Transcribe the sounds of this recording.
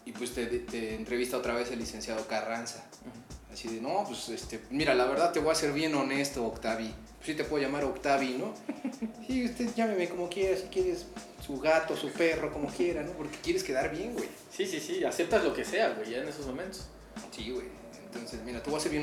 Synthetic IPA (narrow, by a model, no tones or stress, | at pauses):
ipwe̞st̪et̪eːnt̪ɾe̞βist̪ao̞t̪ɾaβe̞selːise̞nsjaðo̞karansaː | siðenopwesest̪emiɾalaβeɾðaðt̪eβoase̞ɾβje̞no̞ne̞st̪oːkt̪aβipe̥sːit̪epweðoʝamaɾo̞kt̪aβino̞ | siust̪e̞ʝameme̞ko̞mo̞kje̞ɾasikjeɾes | suɣat̪o̞supe̞ro̞ko̞mo̞kje̞ɾano̞po̞ɾkekje̞ɾeske̞ðaɾβje̞ŋɡwej | sisisiase̞p̚t̪azlo̞ke̞se̞awejʝaenesozmomẽnt̪o̥s | siɣwḛj | ḛnt̪o̞nsesmiɾat̪eβoaseɾβjen